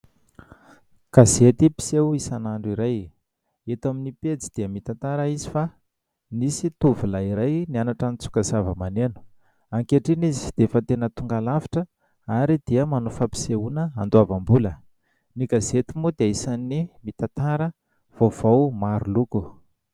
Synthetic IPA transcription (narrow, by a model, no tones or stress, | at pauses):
kazet̪ipi̥sewisanaɳɖ͡ʐiɾaj | et̪aminiped͡zi̥d̪̥iəmit̪at̪aɾəizi̥fa | nisit̪uvilaiɾajnianaʈ͡ʂanit͡su̥kazavəmanenu̥ | aŋkeʈ͡ʂinizi̥d̪̥efat̪enət̪uŋɡalavi̥ʈ͡ʂə | aɾid̪̥iəmanufapi̥seunəand̪uavambulə | niɡazet̪imud̪eaisanimit̪at̪aɾə | v̥ovawmaɾuluku